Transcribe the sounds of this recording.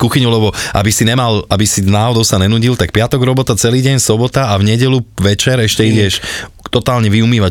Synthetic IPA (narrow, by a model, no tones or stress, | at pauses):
kuxiɲulɛbɔʔa̰bisiɲɛmalabisinaːɦɔd̪ɔʊsaɲɛnuːɟilt̪ak̚pɪat̪ɔɡɾɔbɔt̪at͡sɛliːɟɛɲsɔbɔt̪aavɲɛɟɛluʋɛt͡ʃɛɾɛʃcɛiɟɛʃt̪ɔt̪aːlɲɛʋiumiːʋa